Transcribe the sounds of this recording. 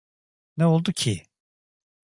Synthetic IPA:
nɛolˠd̪ucʰi

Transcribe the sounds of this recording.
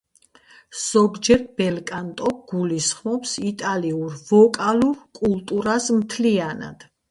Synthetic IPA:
z̥ɔɡd͡ʒɛɾbɛlkʼant̪ʼɔɡ̥ulisχmɔpsit̪ʼaliuɾvɔkʼaluɾkʼulˠt̪ʼuɾasmt̪ʰliana̰d̪̥

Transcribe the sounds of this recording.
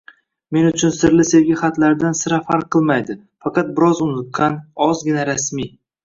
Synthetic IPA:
me̞nʊt͡ʃʰʊnsɪɾlɪseɾɡʲaχat̪laɾd̪ansɪɾafaɾqʰːɨlˠmajd̪ɪ | fɑqʰɑt̪̚bɪɾɒzʊnɪt̪̚kanɒzɡʲɪnaɾasmi

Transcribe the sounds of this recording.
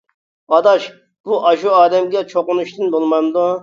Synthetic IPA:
ɑd̪ɑʃ | b̥uʔɑʃuɑːd̪ɛmɡʲɛt͡ʃʰoqʊnuʃt̪ɨnbolˠmɑnd̪u

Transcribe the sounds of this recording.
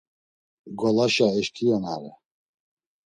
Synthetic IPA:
ɡɔlaʃaɛʃkʰijɔnaɾɛ

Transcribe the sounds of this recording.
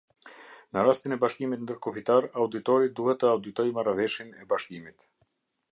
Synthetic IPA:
nəɾast̪inɛbaʃkimit̪nd̪əɾkɔfit̪aɾawd̪it̪ɔɾid̪uhɛt̪ːəawd̪it̪ɔjmaɾavɛʃinɛbaʃkimit̪

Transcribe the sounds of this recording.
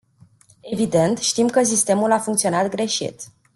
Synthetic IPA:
e̞vid̪e̞nt̪ʃt̪imkəs̬ist̪e̞mulafuŋkt̪sio̞nat̪ɡɾe̞ʃḭt̪

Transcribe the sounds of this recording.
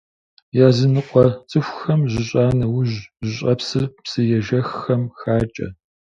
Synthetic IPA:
jaːzɨnɨqʷʰʼɔt͡sʼɨxʷxɐmʑɪɕʼaːnɐwʊʑʑɪɕʼɐpsɨrpsɨjɛʒɐxːɐmxaːt͡ʃʼɐ̰

